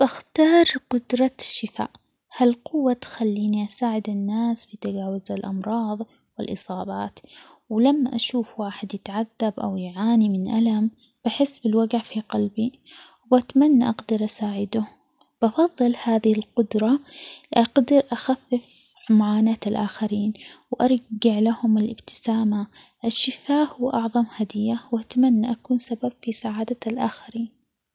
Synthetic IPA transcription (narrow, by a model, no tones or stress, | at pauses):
b̥axt̪ɑːɾˤqʊd̪ɾˤɑʃːɪfa̰ːʔ | halqʊwːat̪xalːiːniʔasaːʕɪd̪ɪnːaːsfit̪aɡaːwazalʔɑmɾˤɑːðˤ | wɪlʔɨsˤɑːbɑːt̪ | wlamːaʔaʃuːfwaːħɪd̪jɪt̪ʕaðːabʔa̰wjʕaːnimɪnʔalam | b̥aħɪsːbɪlwaɡʕfiqɑlbiwwbat̪amanːaʔɑɡd̪ɑɾˤʔasaːʕɪd̪ʊ | b̥ʔɑfɑðˤːɨlhaːðɪhɪlqʊd̪ɾˤɑʔɑɡd̪ɪɾʔaxafːɪf | mʊʕaːnaːt̪alʔaːxaɾiːnwʔɑɾˤɡɪʕlahʊmalʔɪbt̪ɪ̥saːma | ʔaʃːɪfaːhʊwːʔɑʕðˤɑmhad̪ɪjːawʔat̪amanːaʔakuːnsabab̥fisaʕaːd̪aalʔaːxaɾiːn